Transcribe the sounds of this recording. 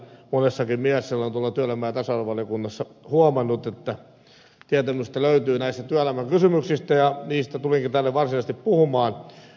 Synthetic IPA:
monesːɑkimmiæsːelːont̪uoɑlːˑɑt̪yøælæmːæːt̪æsɑlʋɑlijokunːɑsːɑhuomɑnːut̪et̪ːæ | t̪iæt̪æmyst̪æløyt̪yːnæist̪æt̪yælæmːæŋkysymyksist̪æjɑniːst̪æt̪uliŋkit̪ælːeʋʋɑrsinɑist̪ippuhumɑːn

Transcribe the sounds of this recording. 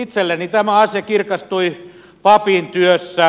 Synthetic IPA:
it̪selːenit̪æmæɑsjɑkirkɑst̪ui | pɑpint̪yøsːæ

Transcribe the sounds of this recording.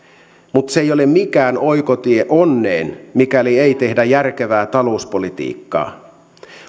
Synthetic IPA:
mut̪sejolemmikæːno̞ikot̪ieʔonːeːnmikælieit̪e̞hdæjærk̟eʋæːt̪ɑlo̞uspolit̪ḭːkːɑ̰ː

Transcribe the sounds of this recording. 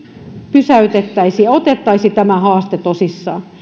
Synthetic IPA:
pysæyt̪et̪ːæisiɑot̪et̪ːɑisit̪æmæhɑːst̪et̪osisːɑː

